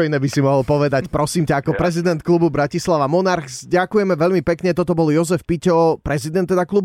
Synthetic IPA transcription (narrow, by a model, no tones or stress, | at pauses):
ɔinɛːbisimɔɦɔlpɔʋɛd̪acpɾɔsiːmcaːkɔpɾɛzid̪ɛnt̪̚klububɾacislaʋamɔnaɾxzɟakujɛmɛʋɛʎmipɛkɲɛt̪ɔt̪ɔbɔljɔzɛfpicɔpɾɛzid̪ɛnt̪ːɛd̪aklub